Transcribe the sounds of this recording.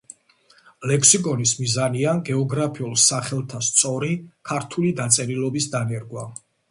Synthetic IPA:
lɛkʰsikʼɔnismizaniaɡɛɔɡɾapʰiulˠsaχɛlˠt̪ʰast̪sʼɔɾikʰaɾt̪ʰulid̪at̪sʼɛɾilɔbisd̪anɛɾɡwa

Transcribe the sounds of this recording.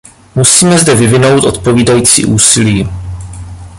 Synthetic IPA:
musiːmɛzdɛvɪvɪno̞wt̪ʔo̞t̪̚po̞viːdajiːt͡sḭːʔuːsɪliː

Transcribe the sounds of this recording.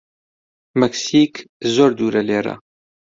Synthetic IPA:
mɛksiːkzoːɾd̪uːɾɐleːɾɐ̰

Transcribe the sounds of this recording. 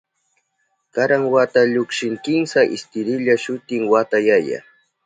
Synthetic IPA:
kaɾaŋwat̪aʎʊkʃɪŋkɪŋsaʔɪst̪ɪɾɪʎaʃʊt̪ɪŋwat̪ajaja̰

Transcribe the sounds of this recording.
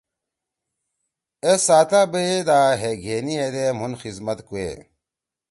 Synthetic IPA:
esaːt̪aːbəed̪aːɦeɡʱeːnied̪emunxizmɐt̪kuḛː

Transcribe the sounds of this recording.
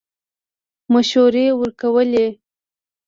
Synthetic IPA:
maʃoɾewəɾkawəle

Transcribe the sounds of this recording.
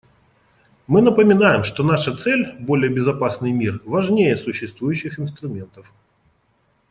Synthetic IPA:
mɨnəpəmʲɪnajɪmʂt̪onaʂət̪sɛlʲbo̞lʲɪjəbʲɪzɐpasnɨjmʲirvɐʐnʲejəsʊɕːɪst̪vujʉɕːɪxɪnst̪ɾʊmʲe̞nt̪əf

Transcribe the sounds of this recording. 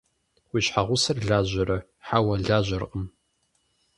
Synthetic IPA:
wiːɕħaʁʷʊsɐrɮaːʑɐɾɐ | ħawɐɮaːʑɐrqʼəm

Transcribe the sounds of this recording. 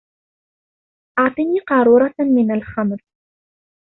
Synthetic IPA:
ʔɑʕt̪ˤiniːqɑɾˤuːɾˤɑmɪnalxamɾ

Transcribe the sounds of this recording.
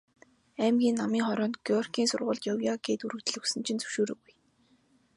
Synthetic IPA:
æmɡʲiːnːamiːŋχɔɾɔːnt̪ɡ̥jɔrkʰiːnsʊrʁʊːɮt̪jɔwjaɡeːt̪uɾɵ̆ɣt̪ɘ̆ɮɵ̆ksɘ̆nt͡ɕʰĭnt͡sɵwʃoːɾɘ̰̆ːɣuj

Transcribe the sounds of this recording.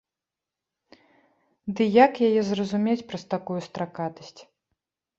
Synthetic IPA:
d̪ɨjakjajɛzrɐzumʲet͡sʲpɾɐst̪akujust̪ɾakat̪ɐsʲt͡sʲ

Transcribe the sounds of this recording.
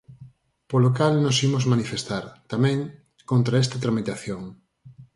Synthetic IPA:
polokalnosimozmanifest̪aɾt̪amɛ̃ŋ | kont̪ɾaest̪at̪ɾamit̪aθjoŋ

